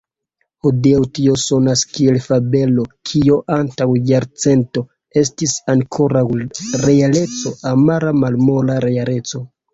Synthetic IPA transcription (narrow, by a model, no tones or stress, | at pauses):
hodiawtio̞so̞naskie̞lfabe̞lo̞kʰio̞ʔantawjaɾt͡se̞nto̞ | e̞stisaŋkʰo̞ɾawɾe̞ale̞t͡so̞amaɾamalmo̞laɾeale̞t͡so̞